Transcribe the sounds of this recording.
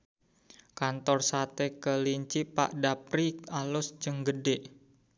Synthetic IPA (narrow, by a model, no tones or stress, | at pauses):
kant̪ɔrsat̪ekəliɲt͡ʃipa̰ʔdapɾikalʊsd͡ʒəŋɡədɛʔ